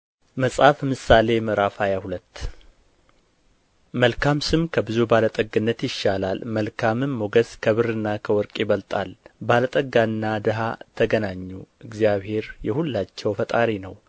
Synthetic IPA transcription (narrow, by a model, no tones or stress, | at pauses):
məsʼhafmɨsale̞mɨɾafajahulət̪ː | məlkʰamsɨmkʰəbɨzubalət̪ʼəɡːɨnːət̪jɪʃːalalməlkʰamɨnmoɡəskʰəβɨɾɨnːakʰəwɔɾkʼiβəlt̪ʼalbalət̪ʼəɡanːad̪ɨɦat̪ʰəɡənaɲːuʔɨɡzijaβhe̞ɾjɛhulːat͡ʃːɛwfət̪ʼaɾinəw